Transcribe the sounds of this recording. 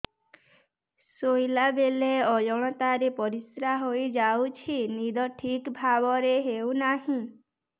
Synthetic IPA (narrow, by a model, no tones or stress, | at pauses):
sojlabeleɔjɔɽ̃ɔt̪aɾepɔɾisɾaɦojd͡ʒawt͡ʃʰinid̪ʱɔʈʰikbʱabɔɾeɦewnaɦĩ